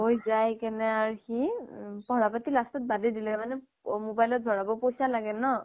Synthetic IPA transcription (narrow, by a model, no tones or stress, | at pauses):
ɦojzajkɛnɛaɹxipɔɹapatilastɔt̚badidilɛmanɛ | mobajlɔt̚dʱɔɹabɔpojsalaɡɛnɔ